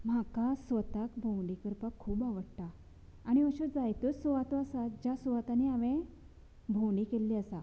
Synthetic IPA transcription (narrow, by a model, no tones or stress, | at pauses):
m̤akasʋət̪akbʱõwɖikəɾpakʰːuːbaʋəɽt̪aː | ɽ̃iəɕud͡zajt̪ɔsɔʋat̪ɔasad͡ʑasɔʋat̪aniaʋẽ | bʱõwɳɖikelːiəsa